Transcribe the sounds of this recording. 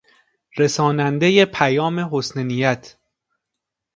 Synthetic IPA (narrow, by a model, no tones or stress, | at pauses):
ɾe̞sɒːnænd̪eje̞pʰæjɒːme̞ɦosnenijæt̪ʰ